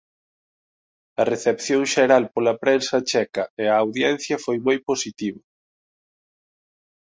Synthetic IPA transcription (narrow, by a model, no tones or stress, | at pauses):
ɐreθepθjoŋʃeɾalpolɐpɾensɐt͡ʃɛkɐeɐːwðjɛnθjɐfojmojposit̪iβʊ